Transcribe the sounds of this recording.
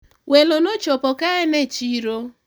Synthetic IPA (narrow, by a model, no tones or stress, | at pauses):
welonot͡ʃopɔkaenet͡ʃiɾo